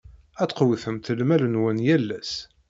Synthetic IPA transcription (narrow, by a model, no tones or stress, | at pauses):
æt̪ːqwiθəmt̪əlmælənwænjælːæs